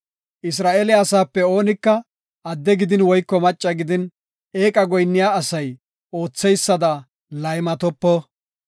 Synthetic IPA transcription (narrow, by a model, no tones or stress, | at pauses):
ʔɪs̬ɾaːʔelɛɐsaːpːɛo̞ːnɪkːɐ | ʔɐd̪ːɛɡɪd̪ɪnwɔjkːɔmɐt͡ʃʼːɐɡɪd̪ɪn | eːkʼɐɡɔjnːɪjaːɐsɐj | ʔo̞ːt͡sːɛjsːɐd̪ɐ | lɐjmɐt̪ɔpːɔ